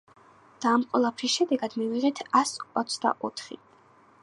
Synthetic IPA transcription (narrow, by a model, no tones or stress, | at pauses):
d̪̥aːmqʼwɛlˠapʰɾisʃɛd̪ɛɡad̪miviʁɛt̪ʰasɔt̪sʰd̪a̰ʔɔt̪ʰχḭ